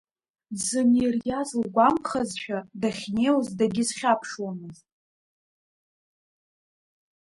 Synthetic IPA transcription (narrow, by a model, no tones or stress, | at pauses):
zɨnirjazlɡʷamχazʃᶣadaχʲnewzdaɡʲɪzχʲapʰʂwamɨztʼ